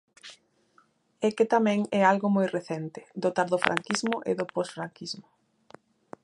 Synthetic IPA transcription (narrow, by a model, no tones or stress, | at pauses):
ɛket̪amɛ̃ŋɛalɣomojreθɛnt̪ɪ̥d̪ot̪aɾðʊfɾʔa̰ŋkizmʊʔeðʊposfɾaŋkizmʊ